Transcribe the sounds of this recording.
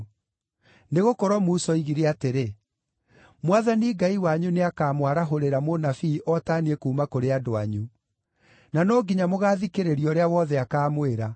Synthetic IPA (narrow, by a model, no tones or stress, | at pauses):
neɣokɔɾɔmuːsɔiɣiɾeateɾe | mwaðaniɡaiwaɲuneakaːmwaɾaɦoɾeɾamonafiʔɔtaniekuːmakoɾeadoa̰ɲu | nanɔɡiɲamoɣaːðikeɾeɾiɔɾeawɔðɛakaːmweɾa